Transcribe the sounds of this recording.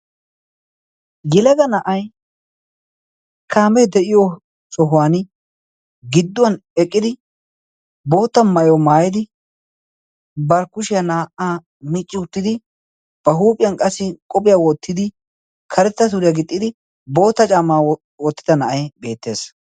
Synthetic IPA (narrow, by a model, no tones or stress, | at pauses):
jɛlɐɡɐnɐʔɐj | kʰaːmɛjd̪ɛʔɪjo | sɔɦʊwaːn | ɡɪd̪ːʊwɐnɛkʼːɪd̪ɪ | bo̞ːt̪ːɐmɐjɔmaːjɪd̪ɪ | bɐɾkʊʃɪjɐnaːʔaː | mɪt͡ʃʼːɪʊt̪ːɪd̪ɪ | b̥ɐɦuːpʼɪjɐnkʼɐsːɪkʼɔpʼɪjawɔt̪ːɪd̪ɪ | kʰɐɾɛt̪ːɐsʊɾɪjaɡɪt̪ʼːɪd̪ɪ | bo̞ːt̪ːɐt͡ʃʼaːmaː | wɔt̪ːɪd̪ɐnɐʔɐjbe̞ːt̪ːe̞ːs